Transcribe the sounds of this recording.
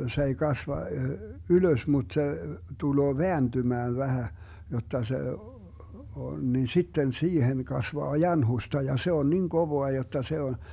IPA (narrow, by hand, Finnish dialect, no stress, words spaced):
se ei kɑsʋɑ yløs mut se tuloː ʋeæntymæːn ʋæhæ jotːɑ se on nin sitːen siːhen kɑsʋɑː jɑnhustɑ jɑ se on nin koʋoɑ jotːɑ se on